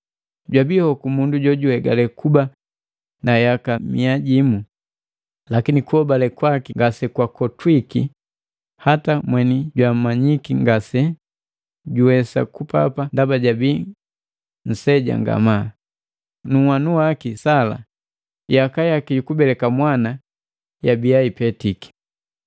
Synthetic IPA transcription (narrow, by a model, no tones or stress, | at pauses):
ɟwabihɔkumunduɟɔɟuhɛɡalɛkuba | najakamiaɟimu | lakinikuhɔbalɛkwakiŋɡasɛkwakɔtwikḭ | hatamwɛniɟwam̩mːaɲikiŋɡasɛ | ɟuwɛsa̰kupa̰pandabaɟabi | n̩sɛɟa̰ŋɡa̰ma | nuwanuwakisala̰ | jakajakijukubɛlɛkamwana | jabijaipɛtiki̥